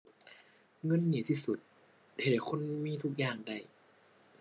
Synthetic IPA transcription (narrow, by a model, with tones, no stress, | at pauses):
ŋɤ˧˥˨nːiː˧˩t̪ʰiː˧˩su˧˦t̪̚ | he˨˩t̚kʰo˧˥˨nmiː˧˥˨t̪ʰu˧˥˩k̚jaː˧˩ŋda˧˩j